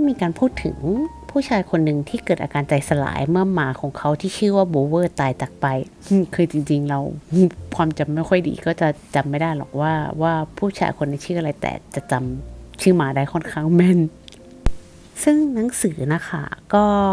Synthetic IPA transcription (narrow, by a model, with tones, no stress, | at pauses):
miː˧kaː˧npʰuː˥˩t̪ʰːɯ̰˨˩˦ŋpʰuː˥˩t͡ɕʰaː˧jkʰo˧nːɯ˨˩ŋt̪ʰiː˥˩kɤː˨˩t̪ʔaː˧kaː˧nt͡ɕa˧jsa˧la̰ː˩˦jmɯ˥˩ɐmaː˨˦kʰɔː˩˦ŋkʰa˦˥wt̪ʰiː˥˩t͡ɕʰɯː˥˩waː˥˩boː˧wɤː˥˩t̪aː˧jt͡ɕa˨˩k̚pa˧j | kʰɯː˧t͡ɕi˧ŋt͡ɕi˧ŋɾa˧wkʰwaː˧mt͡ɕa˧˩mːa˦˥˩jkʰɔ˥˩jdḭː˧kɔː˥˩t͡ɕa˨˩t͡ɕa˧mːa˥˩jdaː˥˩jlɔ̰˨˩k̚waː˥˩waː˥˩pʰuː˥˩t͡ɕʰa̰ː˧jkʰo˧nːa˧˦t͡ɕʰɯː˥˩ʔa˧ɾa˧jt̪ɛ̰ː˨˩t͡ɕa˨˩t͡ɕa˧mt͡ɕʰɯː˥˩maː˨˧˦daː˥˩jkʰɔ˥˩nkʰaː˥˩ŋmɛ˥˩n | sɯ˥˩ŋna˩˦ŋsɯː˩˦na˦˥kʰa̰˥˩kɔː˥˩